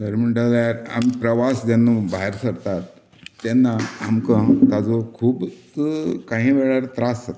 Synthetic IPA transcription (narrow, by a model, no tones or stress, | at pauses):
səɾm̤əɳʈaljaɾa̰mpɾəʋasd͡z̪anːũbaɦəɾsəɾt̪at̪ː | anːaːmkə̃t̪ad͡zokʰuːbtəkãɦĩːʋeɭaɾt̪ɾasət̪